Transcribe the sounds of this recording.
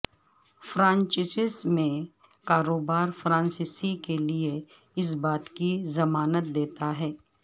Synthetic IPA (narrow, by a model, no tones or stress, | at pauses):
fɾãːɲt͡ʃɪsɪsmẽ | kaːɾoːbaːɾfɾãːnsɪsikelie | ɪs̬baːt̪kizɐmaːnət̪̚d̪eːt̪aɦɛː